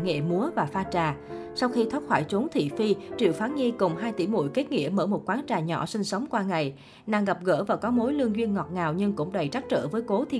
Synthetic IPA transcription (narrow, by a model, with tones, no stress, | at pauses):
ŋḛ˧˨mu˨˦əvaː˨˩faː˧t͡ɕaː˨˩ | sa˧wxi˧t̪ʰə˦˥p̚xwaː˧˩jt͡ɕʊ˨˦nt̪ʰḭ˧˨fi˧t͡ɕḭ˧˨əwfaː˨˦nɲi˧kʊ˨˩ŋ͡mɦaː˧jt̪ḭ˧˩mṵ˧˨jke˦˥t̚ŋḭ˧˥əməː˧˩mo˨˩t̚kwaː˨˦nt͡ɕaː˨˩ɲɔ̰˧˩sï˧ŋ̟sə˨˦wŋ͡mkwaː˧ŋa˨˩j | naː˨˧˩ŋɣa˨˩p̚ɣə̰ː˧˥˩vaː˨˩kɔ˨˦mo˨˦jlɨ˧əŋzwi˧ənŋɔ˨˩t̚ŋaː˨˩wɲɨ˧ŋkʊ̰˧˥ŋ͡mɗə˨˩jt͡ɕa˦˥t̚t͡ɕə̰ː˧˩vəː˨˦jko˨˦t̪ʰi˧